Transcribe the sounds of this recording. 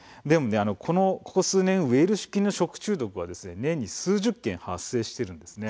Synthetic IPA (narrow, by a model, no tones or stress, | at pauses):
d̪e̞mo̞ne̞ano̞kʰo̞no̞ko̞̥ko̞sɨːnẽ̞ɰ̃ɯe̞ːɾɯ̟ɕi̥kʲĩnːo̞ɕo̞kɯ̥t͡ɕɨːd̪o̞kɯ̟β̞ad̪e̞sɨnenẽ̞ɲ̟ːisɨːʑɨkːẽ̞ɰ̃hasːe̞ːɕi̥t̪e̞ɾɯ̟̃nd̪e̞sɨne̞